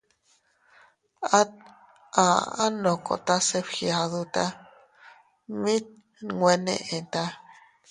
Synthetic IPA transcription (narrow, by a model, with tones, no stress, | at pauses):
a˦t̪̚ | ã˨a˦nõ˨ko̰˨t̪a˦se˦pxja˧ðu˧t̪a˦ | mĩ˦t̪̚ | ŋwe˧nḛ̃˧ʔẽ˨t̪a˦